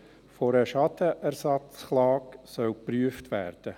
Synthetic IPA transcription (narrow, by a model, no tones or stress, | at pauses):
foɾəʃɑt̪əʔæɾsɑt͡sχlɑːksœwpryəftʋæ̰ːɾd̥ə